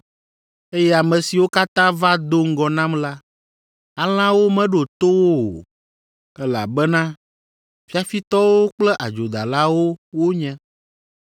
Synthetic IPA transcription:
e˦jɛ˦a˨mɛ̃˨si˨wo˦ka˦t̪ã˦va˦d̪o˦ŋ̩˦ɡɔ˨nã˦mla˦ | a˨l̃ã˦wo˦mɛ̃˦ɖo˨t̪o˦wo˦o̰˨ | ɛ˦la̰˨bɛ˦nã˦ | fi˦a˨fi˦t̪ɔ˦wo˦k͡plɛ˦ʔa˨d͡ʒo˨d̪a̰˨la˦wo˦wo˦ɲɛ̃˦

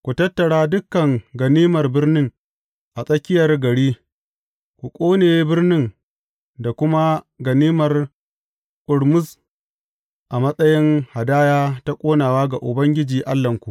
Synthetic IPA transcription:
kʷu˨tɐ˦tːɐ˨ɽaː˦dʊ˦kːɐ˨ŋɡɐ˨niː˦mɐ˨rbɪ˦rnɪ˦ŋ | ʔa˨sʼɐ˦kʲɪ˦jɐ˨rɡɐ˨ɽiː˦ | kʷu˨kʷʼoː˦neː˨˦bɪ˦rnɪ˦ŋ | da˨kʷʊ˦ma˦ | ɡɐ˨niː˦mɐ˨r | kʊ˨ɽmʊ˦s | ʔa˨mɐ˦sʼɐ˦jɪ˦ŋha˨daː˦jaː˦ta˦kʷʼoː˦naː˨waː˦ɡa˨ʔʊ˨bɐ˦ŋɡʲɪ˦d͡ʒiː˨ʔa˦lːɐ˨ŋkʷu˨ʔ

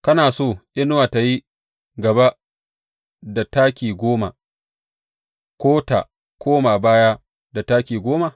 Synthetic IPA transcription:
kɐ˦naː˨soː˦˨ʔɪ˦n˦waː˨ta˨ji˦ | ɡɐ˨ba˦ | da˨taː˦kʲiː˨ɡʷoː˦ma̰˨ | kʷoː˦ta̰˨ | kʷoː˦ma˨baː˦ja˦ | da˨taː˦kʲiː˨ɡʷoː˦ma˨

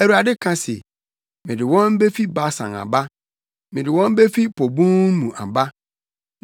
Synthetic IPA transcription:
æ˨ɾu˨a˨dɪ˦kʰã˦sḛ˨ | mɪ̃˨dɪ˨wɔ̃˦n̩˦be˦fi˦ba˦sã̰˨ŋa̰˨ba˦ | mɪ̃˨dɪ˨wɔ̃˦m˦be˦fi˦pʰo˨bũ˦nũ˨ʔa̰˨ba˦

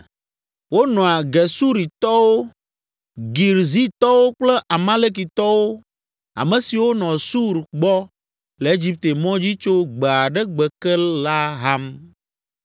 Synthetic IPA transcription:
wo˦nɔ̃˨a˨ɡɛ˨su˦ɾi˨t̪ɔ˦wo˦ | ɡi˨ɾzi˦t̪ɔ˦wo˦k͡plɛ˦ʔa˨mã˦le˦k̬i˨t̪ɔ˦wo˦ | a̰˨mẽ˨si˨wo˦nɔ̃˨su˦ɾɡ͡bɔ˦ | le˨e˦d͡ʑi˦p̚t̪e˨mɔ̃˦d͡ʑi˦t͡ʃo˦ɡ͡be˨a˨ɖɛ˦ɡ͡bɛ˨kɛ˦la˦ɦa˦m

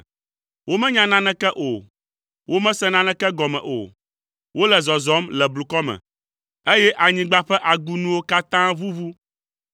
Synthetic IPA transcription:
wo˦mɛ̃˦ɲã˦nã˦nɛ̃˦kɛ˦ʔo˨ | wo˦mɛ̃˦sɛ̃˦nã˦nɛ̃˦kɛ˦ɡɔ˨mɛ̰̃˨ʔo̰˨ | wo˦lɛ˨zɔ˨zɔ˦mlɛ˨blu˨kɔ˦mɛ̰̃˨ | e˦jɛ˦ʔa˨ɲĩ˨ɡ͡ba˦ɸɛ˦ʔa˨ɡu˦nũ˦wo˦ka˦t̪ã˦vu˦vu˦

